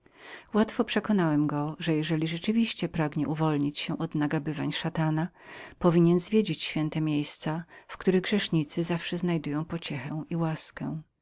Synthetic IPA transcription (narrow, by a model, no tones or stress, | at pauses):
wat̪fɔpʂɛkɔnawɛmɡɔʐɛjɛʐɛlʲiʐɛt͡ʂɘvʲiɕt͡ɕɛpɾaɡɲɛʔuvɔlɲit͡ɕɕɛʔɔd̪naɡabɘvaɲʂat̪ana | pɔvʲiɲɛnzvʲjed͡ʑit͡ɕɕfʲjɛnt̪ɛmʲjejst̪safkt̪uɾɘɣɡʐɛʂɲit̪sɘzafʂɛznajd̪ujɔ̃w̃pɔt͡ɕɛxɛw̃ʔiwaskɛ̰̃